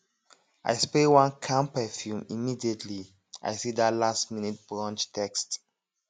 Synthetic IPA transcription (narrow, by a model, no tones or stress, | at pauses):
ʔa̰ɪspewãnkʰãmpɛfjũmimidietʰli | ʔa̰ɪsidatlastminit̚b̥ɹɔ̃nt͡ʃtʰɛkst